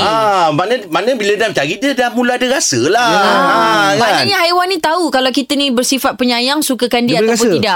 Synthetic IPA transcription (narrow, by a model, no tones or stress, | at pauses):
amanəmanə̃bilədamt͡ʃaɾit̪̚dədamũlaadəɾasəla | mananɲahajwanːĩt̪aukalawkit̪ənĩbərsifat̪̚pəɲãjaŋsukəkandiəaap̬ʊnt̪idaʔ